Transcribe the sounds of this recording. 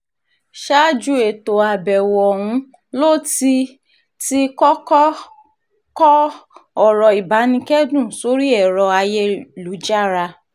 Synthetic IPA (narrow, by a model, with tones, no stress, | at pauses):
ʃa˦d͡ʒu˧e˨to˨a˨bɛ˨wɔ˨hũ˧˦ | lo˦˨ti˧ | ti˦kɔ˦kɔ˦ | kɔ˦ɔ˦˨ɾɔ˨i˨ba˨˦nĩ˧kɛ˦dũ˦˨so˨˦ɾi˦ɛ˦˨ɾɔ˧a˧jɛ˦lu˨˦d͡ʒa˦˨ɾa˧